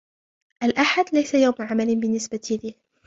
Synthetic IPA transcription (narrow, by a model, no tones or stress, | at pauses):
ʔalʔaħad̪lajsajawmʕamalɪbɪnːɪsbat̪ɪlɪh